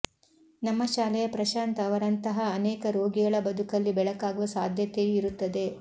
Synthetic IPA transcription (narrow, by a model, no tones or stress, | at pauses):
nɐmːɐʃaːlɛjɐpɾɐʃaːnt̪ɐːʋɐɾɐnt̪ɐɦɐːneːkɐɾo̞ːɡiɡɐɭɐbɐd̪ukɐlːibɛɭɐkaːɡuʋɐsaːd̪ʱjɐt̪ejuiɾut̪ːɐd̪e̞